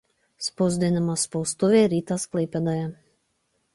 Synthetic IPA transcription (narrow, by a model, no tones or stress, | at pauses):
spɔzd̪ʲiɛnamaspɔwst̪uvʲɛːɾiːt̪aːsklˠɛjpʲɛd̪aja